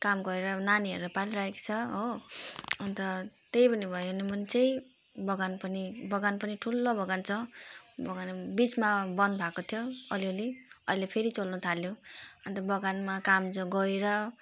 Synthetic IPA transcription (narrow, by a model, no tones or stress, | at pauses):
kamɡʌɾeɾʌnaniɦʌ̰ɾuɾʌpaliɾaekt͡sʰʌɦo | ʌnt̪ʌt̪ejpʌnibʱʌjonemʌnt͡sʌĩ | bʌɡanpʌnibʌɡanpʌniʈʰulːobʌɡant͡sʰʌbʌɡanbit͡smabʌnd̪̚bʱakot̪ʰjoʌlioliʌ̰jlepʰeɾit͡sʌlnut̪ʰaljoʌnt̪ʌbʌɡanmakamd͡zoɡʌeɾʌ